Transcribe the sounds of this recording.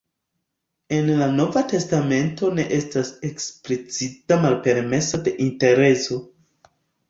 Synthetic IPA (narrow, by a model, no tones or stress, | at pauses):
e̞nlano̞vate̞stame̞nto̞ne̞ʔestase̞ksplit͡sitamalpe̞ɾme̞sade̞ʔinte̞ɾe̞so̞